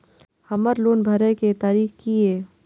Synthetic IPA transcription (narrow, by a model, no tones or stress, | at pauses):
hɐməɾloːnbʱəɾəket̪aːɾiːxkieː